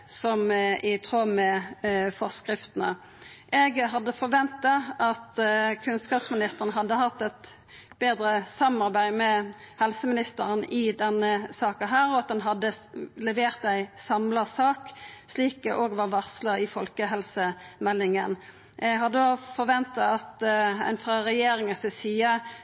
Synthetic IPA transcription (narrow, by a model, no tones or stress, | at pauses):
sɔmʔɪt̪ʰʁoːmɛfɔʁskʁɪft̪ənə | ʔɛɡɦɑd̪ːəfɔʁʋɛnt̪ɑʔɑt̪kʰʉnskɑːpsmɪnɪst̪əʁənəɦɑd̪ːəɦɑt̪ːɛt̪ | b̥eːd̪ʁəsɑmɑʁbæɪmɛhɛlsəmɪnɪst̪əʁənɪd̪ɛnːəsɑːkɑɦæːɾɔɑt̪̚d̪ɛnɦɑd̪ːəlɛʋeːʁt̪æɪsɑmlɑsɑːksliːkɛʔoːɡʋɑʁʋɑsləɪfɔlkəɦɛlsəmɛlːɪŋən | ʔɛɦɑd̪ːəofɔɾʋɛnt̪ɑɑt̪æ̰ɪnfʁɑʁɛjeːʁɪŋəsɑsiːə